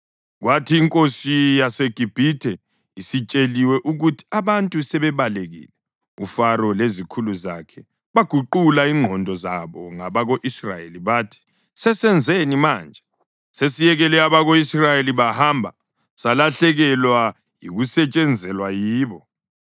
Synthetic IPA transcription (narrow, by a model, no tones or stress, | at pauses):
ɣwatʰiːŋkʼosijaseɡ̥ʱib̥ʱitʰɛ | isit͡ʃʼeliwɛʔuɣutʰi̥aβantʼusɛβɛβaleɣḭːlɛ | ufaɾɔlezikʰuluzakʰɛ | βaɡ̥ʱuǃulaiŋ͡ǃʱɔndʱɔzaβɔŋaβaɣoʔisra̰jḛliβaːtʰi̥ | sɛsɛnd͡zʱenimaːnd͡ʒʱɛ | sesijɛɣɛlɛaβaɣoisrajeliβahambʱa̰ | salaɬɛɣɛlwa | jiɣusɛt͡ʃʼɛnd͡zʱɛlwajiːβɔ